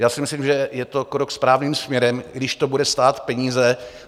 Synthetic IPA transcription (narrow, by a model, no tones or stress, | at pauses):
jaːsɪmɪsliːmʒɛjɛt̪o̞kɾokspɾaːvniːmsmɲɛɾɛmɡdɪʃt̪obudɛst̪aːt̪pɛɲiːzɛ